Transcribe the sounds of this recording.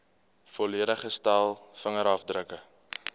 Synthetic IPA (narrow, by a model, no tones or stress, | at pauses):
fɔliəɾəχəstælˠfəŋəɾɐfdrəkə